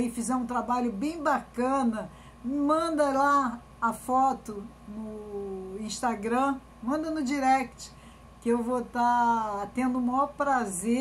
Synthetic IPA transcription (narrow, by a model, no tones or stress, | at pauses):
ifizɛɾũt̪ɾabaʎʊbẽj̃bakɐ̃nɐ | mɐ̃d̪ɐla | ɐfɔt̪ʊ | nʊ | ĩʃt̪aɡɾɐ̃ | mɐ̃nd̪ɐnʊd͡ʒiɾɛkt͡ʃɪ̥ | kɪewvot̪at̪ẽnd̪ʊũmɐɔpɾaze